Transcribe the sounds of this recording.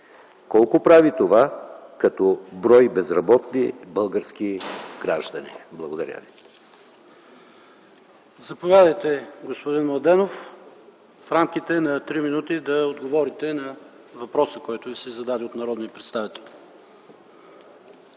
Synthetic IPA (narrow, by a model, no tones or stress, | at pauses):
kɔlˠkopɾavit̪ovakɐt̪ɔbɾɔjbɛzɾɐbɔt̪nibəlˠɡəɾsk̟iɡ̥ɾaʒd̪ɐnḭblˠɐɡod̪ɐɾʲa̰vi | zɐpovʲjad̪əjt̪ɛɡospod̪inmlˠɐd̪ɛnof | fɾamk̟it̪ɛnɐt̪ɾiminut̪id̪ɐod̪ɡovɔɾit̪ɛnɐ | vɐpɾɔsəkɔjt̪ʊvisɛzɐd̪ad̪iot̪nɐɾɔd̪niəpɾɛt̪st̪avit̪ɛlʲ